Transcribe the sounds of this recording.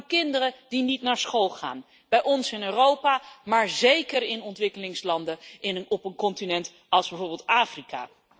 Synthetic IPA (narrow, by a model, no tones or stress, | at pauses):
kɪndərəd̥initnaːɹsχolˠχa̰ːn | b̥ɛjʔɔnsɪnøːrowpamaːɹzejkəɾɪnɔntʋɪkəlɪŋslɑndəɪnənɔpənkɔntinɛnt | ɑlˠzbɛvoːɹbɪːlˠtaːfrika̰ː